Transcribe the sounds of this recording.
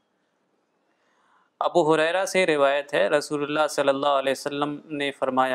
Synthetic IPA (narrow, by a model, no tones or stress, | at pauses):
ɐbuːɦʊɾɛːɾaseɾɪʋaːjət̪ɦɛɾɐsuːlʊlːaːsɐlːəlːaːɦʊɐlɛːʊsəlːəmnefɐɾmaːja